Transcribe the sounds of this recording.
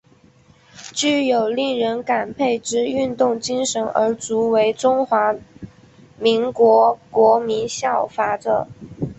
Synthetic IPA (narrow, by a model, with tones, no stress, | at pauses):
t͡ɕy˥˩jo˨˩ʊli˥˩ŋɻə˧˥nka˨˩npʰe˥˩ɪʈ͡ʂɻ̩˥y˥˧nt̪ʊ˥˩ŋt͡ɕi˥ŋʂə˧˥nə̰˞˧˥t͡su˧˥we˧˥ɪʈ͡ʂʊ˥ŋxwa˧˥ | mi˧˥ŋkwɔ˧˥kwɔ˧˥mi˧˥nɕjɑ˥˩ʊfa˧˥ʈ͡ʂə˨˩